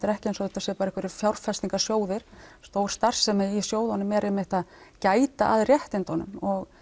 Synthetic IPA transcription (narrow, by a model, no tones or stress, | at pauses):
t̪ɪɾɛhcɪensɔðɛht̪ːasjɛpaɾɛhkvɛɾɪfjawɾ̥fɛst̪iŋkasjoːwðɪɾ̥st̪oːwɾ̥st̪ar̥sɛmɛisjoːwðanʏmɛɾʔehmɪht̪aðcaːjt̪aʔaðrjɛht̪ɪnt̪ɔnʏ̰mɔɣ